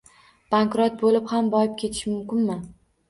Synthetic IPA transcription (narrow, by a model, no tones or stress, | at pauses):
b̥aŋkɾot̪̚bolɪphambɒjɪp̚kʲʰe̞t̪ʰɪ̥ʃɪmʊmkʲɪnmɪ